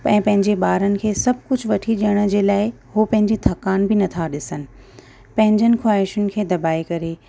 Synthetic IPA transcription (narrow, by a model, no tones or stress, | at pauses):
pɛ̃ːpɐ̃ɦɪ̃ɲd͡ʑeɓaːɾənɪ̆kʰeːsɐb̚ʱkʊd͡ʑʱʋɐʈʰiɗiəɽ̃ə̆d͡ʑeːlaːɪ | ɦopɐ̃ɦɪ̃ɲd͡ʑit̪ʰɐkaːnbɪnɐt̪ʰaɗɪsənɪ̆ | pɐ̃ɦɪ̃ɲd͡ʑənɪ̆kʰwaːɪʃənɪ̆kʰeːd̪ɐbaːikɐɾeː